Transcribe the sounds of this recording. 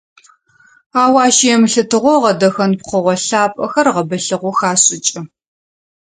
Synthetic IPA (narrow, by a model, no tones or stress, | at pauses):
aːwaːʃijɛmɨɬɨtʰɨʁʷɔʁɐdɐxɐnpχʷɔʁʷɔɬaːpʼɐxɐrʁɐbɐɬɨʁʷɔxaːɕʼɪt͡ʃʼɪ